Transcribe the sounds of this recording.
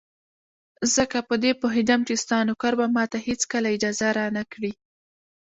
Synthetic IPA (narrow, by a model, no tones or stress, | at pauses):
zəkapəd̪epəɦɪd̪amkest̪ɑnokaɾbamɑt̪ahet͡skəlaɪd͡ʒɑzaɾɑnakɽi